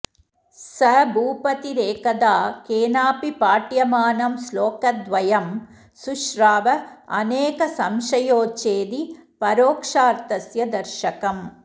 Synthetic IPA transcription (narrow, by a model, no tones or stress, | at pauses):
sɐbʱuːpɐt̪iɾeːkɐd̪aːkeːnaːpipaːʈjɐmaːnɐmsloːkɐd̪ʋɐjɐm | suʃɾaːʋɐɐ̰neːkɐsɐmʃɐjoːt͡ʃeːd̪ipɐɾoːkʂaːɾt̪ɐsjɐd̪ɐɾʃɐkɐm